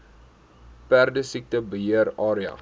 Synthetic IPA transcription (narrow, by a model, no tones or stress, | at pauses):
pærdəsik̚təbəɦiəɾɑːɾiɐ̰